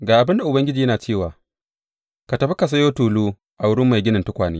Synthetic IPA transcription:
ɡaː˨ʔa˨bɪ˦nda˨ʔʊ˨bɐ˦ŋɡʲɪ˦d͡ʒiː˨jɐ˦naː˨t͡ʃeː˦˨waː˨ | ka˨tɐ˨ɸi˦ka˨s̬a˦joː˦tuː˨luː˦ | ʔa˨wʊ˦ɽɪ˦mːa˨jɡʲɪ˦nɪ˨ntʊ˦kʷaː˨neː˦

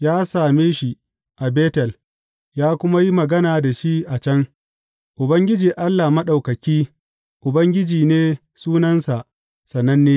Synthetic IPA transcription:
jaː˦saː˨meː˦ʃi˦ | ʔa˨beː˦tɛ˨l | jaː˦kʷʊ˦ma˦ji˦mɐ˨ɡɐ˦naː˨da˨ʃi˦ʔa˨t͡ʃɐ˦ŋ | ʔʊ˨bɐ˦ŋɡʲɪ˦d͡ʒiː˨ʔa˦lːaː˨mɐ˦ɗa˨wkɐ˨kʲiː˦ | ʔʊ˨bɐ˦ŋɡʲɪ˦d͡ʒiː˨neː˦ | suː˦nɐ˦nsa˨ʔ | sɐ˨nːɐ˦nːeː˦

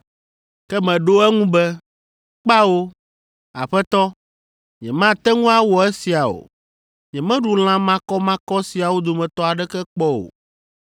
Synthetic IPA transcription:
kɛ˦mɛ̃˨ɖo˦ɛ˦ŋũ˦bɛ˦ | k͡pa˦wo˦ | a̰˨ɸɛ˦t̪ɔ˦ | ɲɛ̰˨mã˦t̪ɛ˦ŋũ˦a˦wɔ˨ɛ˦si˨a˨o̰˨ | ɲɛ̃˨mɛ̃˦ɖu˨l̃ã˦mã˦kɔ˦mã˦kɔ˦si˨a˨wo˦d̪o˨mɛ̃˨t̪ɔ˦a˨ɖɛ˦kɛ˦k͡pɔ˦o̰˨

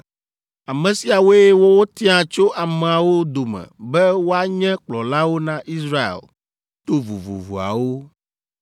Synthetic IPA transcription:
a˨mɛ̃˨si˨a˨wo˦e˦e˦wo˦wo˦t̪ĩ˦ã˨t͡ʃo˦ʔa˨mɛ̃˨a˨wo˦d̪o˨mɛ̰̃˨bɛ˦wo˦a˦ɲɛ̃˦k͡plɔ˨la˦wo˦nã˦ʔi˦sɾa˦ḛ˨l | t̪o˦vṵ˨vṵ˨vṵ˨a̰˨wo˦

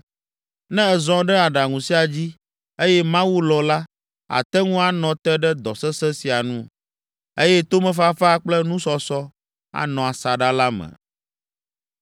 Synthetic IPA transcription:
nɛ̃˦ɛ˨zɔ̃˦ɖɛ˦a˨ɖa˨ŋũ˨si˦a˨d͡ʑi˦ | e˦jɛ˦mã˦wu˦lɔ˨la˦ | a̰˨t̪ɛ˦ŋũ˦a˨nɔ̃˨t̪ɛ˦ɖɛ˦d̪ɔ˨sɛ˦sɛ˦si˨a˨nũ˦ | e˦jɛ˦t̪o˦mɛ̃˨fa˦fa˦k͡plɛ˦nũ˦sɔ˦sɔ˦ | a̰˨nɔ̃˨a˨sa˨ɖa˦la˦mɛ̰̃˨

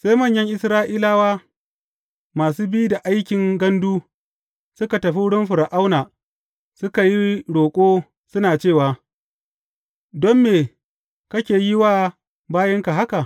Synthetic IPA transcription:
sa˦jmɐ˦˨ɲjɐ˦ŋʔɪ˦sɾaː˦ʔiː˦laː˦waː˦ | maː˨s̬uː˦bi˦u˦da˨ʔa˦jkʲɪ˨ŋɡɐ˦nduː˦ | sʊ˦ka˨tɐ˨ɸi˦ɽʊ˦mɸʊ˨ɾa˨ʔa˦wnaː˨ | sʊ˦ka˨ji˦ɽoː˨kʷʼoː˦ | sʊ˦naː˨t͡ʃeː˦˨waː˨ | dɔ˦mːeː˨ | kɐ˦kʲeː˨ji˦waː˦ | baː˦jɐ˦ŋka˨ɦa˦ka˨ʔ

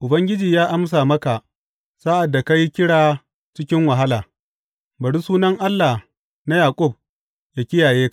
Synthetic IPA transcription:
ʔʊ˨bɐ˦ŋɡʲɪ˦d͡ʒiː˨jaː˦ʔa˦ms̬aː˨mɐ˦ka˨ʔ | sa˦ʔa˨dːa˨ka˦ji˦kʲɪ˦ɽaː˨ | t͡ʃɪ˦kʲɪ˦ŋwɐ˨ɦa˦laː˨ | bɐ˨ɽu˦suː˦nɐ˦ŋʔa˦lːa˨ | na˦jaː˨kʷʼʊ˦˨b̚ | ja˨kʲɪ˦jaː˨jeː˦ka˨

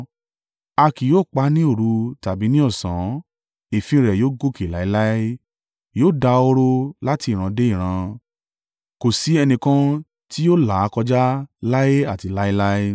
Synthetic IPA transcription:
a˧ki˨joː˦˨k͡pa˦nĩ˦o˦˨ɾu˨˧˦ta˨bi˨˦nĩ˦ɔ˦˨sã˨˦ | e˨fĩ˧ɾɛ˨joː˦ɡo˦˨ke˨la˨˦i˦la˦i˦ | joː˦˨da˧o˧ɾo˧la˦ti˧i˦˨ɾ̃ã˧de˦i˦˨ɾ̃ã˧ | ko˨si˨˦ɛ˧nĩ˧kã˧˦ | ti˦jo˦˨la˨˦kɔ˧d͡ʒa˦la˦e˦a˦˨ti˨˧la˦i˦la˦

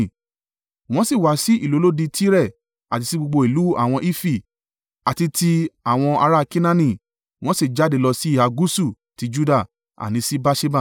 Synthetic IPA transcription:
w̃ɔ̃˦si˦˨wa˨˦si˦ʔi˦˨lo˨˦lo˦di˧tʰi˦ɾɛ˦˨ | a˨ti˧ti˦ɡ͡bo˧ɡ͡bo˧i˨lu˨˦a̰˦˨w̃ɔ̃˧ʔi˦fi˦˨ | a˨ti˧ti˧a˨w̃ɔ̃˧a˧ɾa˦˧ki˦nã˦nĩ˦˨ | w̃ɔ̃˦si˦˨d͡ʒa˦˨de˨˧˨lɔ˧si˦i˦˨a˧ɡu˦su˦˨ | ti˨˧˦d͡ʒu˦da˦˨ | a̰˨nĩ˨˦si˦ba˦ʃe˦ba˦˨

